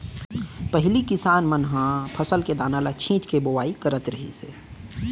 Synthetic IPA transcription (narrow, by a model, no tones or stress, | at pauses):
pəɦɪlikɪsaːnmənɦãpʰəsəlked̪aːnalat͡ʃʰĩːt͡ʃkebowaːikəɾət̪ɾəɦḭsḛː